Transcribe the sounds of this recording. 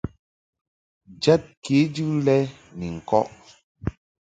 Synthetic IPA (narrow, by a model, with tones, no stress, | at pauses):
d͡ʒa˦t̚ke˨˦d͡ʒʉ˦lɛ˦ | ni˨ŋ̩˨kɔ̰˦ʔ